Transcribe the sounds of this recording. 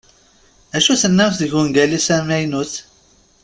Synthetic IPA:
æʃuθənːæθðəʝuŋɡælisæmæjnuθ

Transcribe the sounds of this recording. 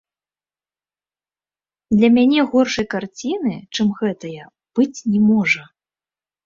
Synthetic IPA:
d̪lʲɐmʲanʲɛɣɔrʂɐjkart͡sʲinɨt͡ʂɨmɣɛt̪ɐjɐ | b̥ɨt͡sʲnʲɛmɔʐɐ

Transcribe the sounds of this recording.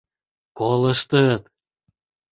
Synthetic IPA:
kolə̆ʃt̪ət̪

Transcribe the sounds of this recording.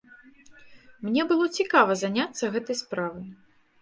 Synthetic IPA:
mnʲɛbɨlˠɔt͡sʲikavɐzanʲat̪sːɐɣɛt̪ɐjspɾavɨj

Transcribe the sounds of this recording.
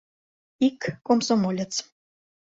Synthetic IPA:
ikːomsomolʲet͡s

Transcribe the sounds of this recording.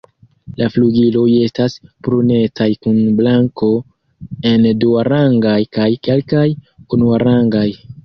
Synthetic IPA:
lafluɡilo̞je̞staspɾune̞tajkunblaŋko̞ | e̞nduaɾaŋɡajkajke̞lkajunuaɾaŋɡaj

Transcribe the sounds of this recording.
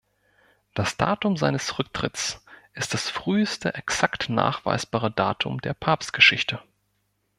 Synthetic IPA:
d̥asd̥a̰ːtʊmzaɪnəsʁʏk̚tʁ̥ɪtsʔɪst̚d̥asfʁ̥yːəstəʔɛksaktna̰ːχv̥a̰ɪsb̥aːʁədaːtʰʊ̰mdeːɐpʰaːpst̚ɡ̥əʃɪçtʰə

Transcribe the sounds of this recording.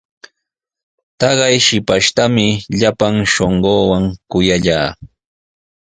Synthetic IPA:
t̪ɑɢɑjʃɪpaʃt̪amɪʎapaŋʃoɴɢoːwaŋkʊjaʎaː

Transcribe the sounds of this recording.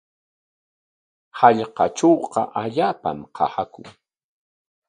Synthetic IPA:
hɑʎqɑt͡ʃowqɑʔaʎaːpa̰mqʰɑ̰hakʊŋ

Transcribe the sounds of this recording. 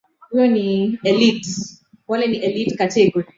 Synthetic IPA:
iɔniɛlit | walɛniʔɛlitkatɛɡɔ

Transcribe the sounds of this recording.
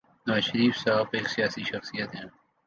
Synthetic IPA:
nɐʋaːʃəɾiːfsaːbeːksijaːsiʃɐxsijət̪ɦɛ̃ː

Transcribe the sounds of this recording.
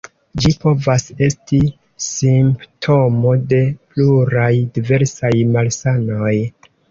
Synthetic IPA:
d͡ʒipo̞vase̞sti | simptʰo̞mo̞de̞pluɾajdive̞ɾsajmalsano̞j

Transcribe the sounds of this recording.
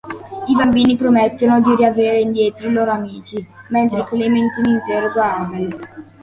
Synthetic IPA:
ibambiːnipɾomet̪ːonod̪iɾiaveːɾeind̪jeːt̪ɾoloːɾoamiːt͡ʃiment̪ɾeklement̪inint̪eɾoɡwaɾdel

